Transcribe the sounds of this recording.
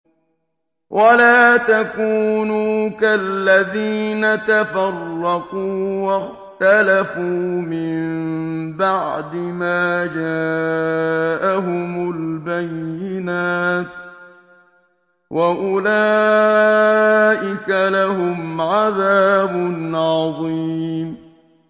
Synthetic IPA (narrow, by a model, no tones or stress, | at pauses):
wʔalaːt̪akuːnuːkalːaðiːnat̪afɑrˤːɑquːwax | t̪alafuːmɪmbaʕd̪ɪmaːd͡ʒaː | ʔaɦʊmʊlbajːɪnaːt̪̚ | wʔaʔʊlaː | ʔɪkalaɦʊmʕaðaːbʊnʕɑðˤiːm